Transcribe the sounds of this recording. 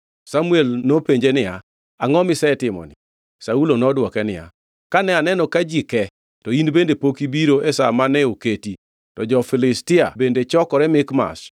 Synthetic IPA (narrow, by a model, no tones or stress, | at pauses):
samʊɛlnopeɲd͡ʒenɪja | aŋɔmɪsɛtɪmɔ̰nɪ | saulonɔdwɔkɛnɪja̰ | kanɛanɛnɔkad͡ʒikɛ | tɔinbendepokibiɾoʔɛsa̰manɛoketi | tɔd͡ʒɔfɪlɪstɪa̰bendet͡ʃɔkɔɾɛmɪkma̰s